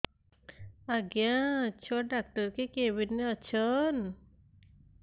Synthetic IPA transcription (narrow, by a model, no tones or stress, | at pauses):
aɡjãt͡ɕʰɔɖak̚ʈəɾkekeʋinːeət͡ɕʰən